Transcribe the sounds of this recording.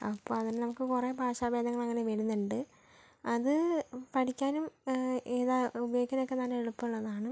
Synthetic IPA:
ɐpːoːɐðinnɐmukːɨkurebʱaːɕaːbe̞ːd̪ɐŋːɐɭɐŋːɐne̞ʋeɻunːuɳɖɨ | ɐðɨpɐʈʰikʲːaːnumiðaubɐjoɡikʲːɐnokːe̞t̪aːneɭupːuɭːɐðaːɳɨ

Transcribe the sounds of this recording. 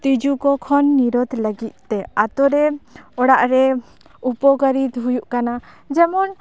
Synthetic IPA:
t̪id͡ʒukɔkʰɔnːiɾɔd̪ləɡit̪̚ˀt̪ɛat̪ɔɾɛɔɽaʔɾɛ | upɔɡəɾit̪ɦujuʔkana | d͡ʒɛmɔn

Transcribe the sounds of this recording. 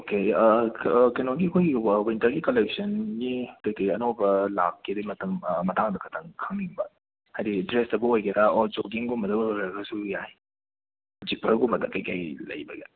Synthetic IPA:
oke | kɐjnoɡiɐkʰojɡiwintɐɾɡikolek̚sɐnɡikɐjkajɐnobɐla̰kːidimɐtʰɐmmɐtaŋdɐkʰɐtʰɐŋkʰaŋniŋbɐ | hajdidɾestɐbuojkɐdaɔd͡ʒok̬iŋɡumɐdɐɾɐɡɐsujaj | d͡ʒipʰɐɾɡumɐdɐkɐjkajlɐ̰jbɐɡe

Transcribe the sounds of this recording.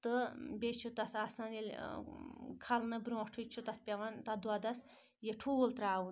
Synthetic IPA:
t̪əbʲet͡ʃʰut̪ɐt̪ʰasãnelʲ | kʰalnɐbɾõʈʰut͡ʃʰut̪ɐt̪̚ʰpʲeʋant̪ɐd̪wad̪ɐs | jeʈʰuolt̪ɾaːwun

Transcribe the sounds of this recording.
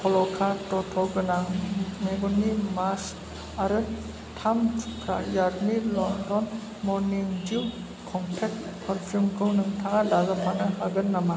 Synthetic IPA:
pʰɔlɔkʰatɔtʰɔɡɯnaŋmeɡɔnimas | aɾɯ | tʰamʰkʰɾa̰jaɾmilɔndɔn | mɔɾniŋd͡ʒiw | kʰɔmpʰet̚pʰɐɾpʰumɡʰɯwnɯŋtʰaŋadazapʰanɯhaɡɯnːama

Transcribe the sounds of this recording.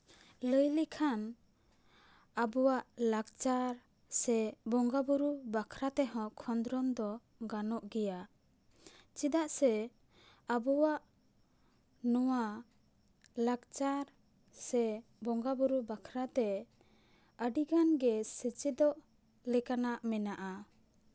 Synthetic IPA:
ləjlikʰan | abɔwaʔlaɡt͡ʃaɾ | sɛbɔŋɡabuɾubakʰɾat̪ɛɦɔ̃kʰɔnd̪ɾɔnd̪ɔ | ɡanɔʔɡɛja | t͡ʃid̪aʔsɛ | abɔwaʔ | nɔwa | laɡt͡ʃaɾ | sɛbɔŋɡabuɾubakʰɾat̪ɛ | əɖiɡanɡɛsɛt͡ʃid̪ɔʔ | lɛkanaʔmɛnaʔa

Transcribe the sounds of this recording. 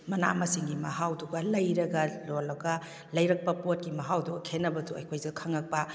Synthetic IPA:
mɐna̰mɐsiŋɡimɐɦawduɡɐlɐjɾɐɡɐlolɐɡɐ | lɐjɾɐk̚pɐpot̚kimɐɦawduɡɐkʰenːɐbɐtʰuɐ̰jkʰojzɐkʰɐŋɐk̚pɐ

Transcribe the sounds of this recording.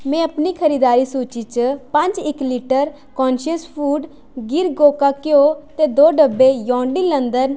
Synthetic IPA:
mɛ̃ːəpniːkʰəɾiːd̪aːɾiːsuːt͡ʃit͡ʃpə̃ɲd͡ʒɪkliːʈəɾ | kɔːnʃəspʰuːɖ | ɡɪɾɡoːkaːkeot̪eːd̪oːɖəbːejɔ̃ːɳɖiːlə̃nd̪əɾn

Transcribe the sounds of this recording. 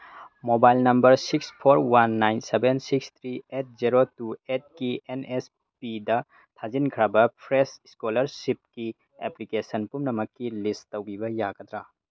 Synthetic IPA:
mobajlnɐmbɐɾsikspʰoɾwanːajnsebensikst̪ʰɾiet̚ziɾotuet̚kienes | pidɐ | tʰazinkʰɾɐbɐpʰɾesskolɐɾsip̚ki | ḛplikesɐnpumnɐmɐkːilistɐwbibɐjaɡɐd̪ɾa

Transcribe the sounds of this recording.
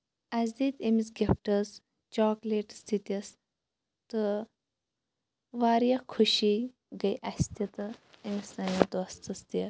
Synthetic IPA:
ɐsʲd̪it̪ʲemisɡʲep̚ʈɐs | t͡ʃɔːkleʈst̪it̪ɐs | t̪ɨ | ʋaːɾjɐkʰuʃi | ɡɐjʔɐst̪ɐt̪ɨɐmisɐnʲid̪ost̪ɨst̪i

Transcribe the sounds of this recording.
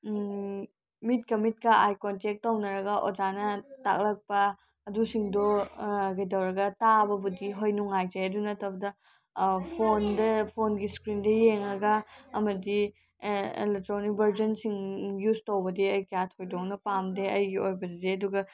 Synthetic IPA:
mit̚kɐmit̚kɐajkontek̚tɐwnɐɾɐɡɐʔod͡ʒanɐta̰k̚lɐk̚pɐː | dusiŋdoɡɐjtɐwɾɐɡɐtabɐbudiɦojnuŋajd͡ʒɐjɐdunɐtʰɐbɐdɐ | pʰondɐpʰonɡiskɾindɐjeŋɐɡɐːmɐdi | ḛlek̚tɾonibɐɾd͡ʒɐnsiŋjuztowbɐdeɐjkɐjatʰojdok̚nɐpamdeɐjɡiojbɐddeɐduɡɐ

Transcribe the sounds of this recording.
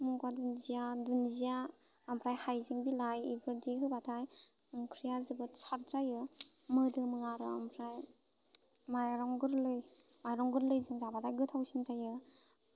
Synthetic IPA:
muŋɡwadunzijadunzijaː | mpʰɾajhajzɯŋbilajibɯɾdiɦɯbatʰaj | ɯŋkʰɾijazɯbɯt͡ʃʰaɾzajɯmɯdɯmɯŋaɾɯampʰɾaj | majɾɔŋɡɯɾlɯj | majɾɔŋɡɯɾlɯjzɯŋzabatʰajɡɯtʰawsinzajɯ

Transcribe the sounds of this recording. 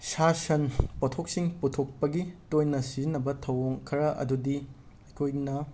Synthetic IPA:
sasɐnpɐtʰoksiŋputʰok̚pɐɡitojnɐsizinːɐbɐtʰɐwoŋkʰɐɾɐʔɐ̰dudi | ɐjkʰojnɐ

